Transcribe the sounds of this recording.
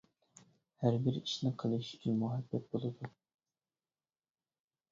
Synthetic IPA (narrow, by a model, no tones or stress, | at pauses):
hæɾbɪɾiʃnɨqʰəlˠɨʃy̥t͡ʃʲʰynmuɦɛbːɛt̪̚bolˠɨd̪u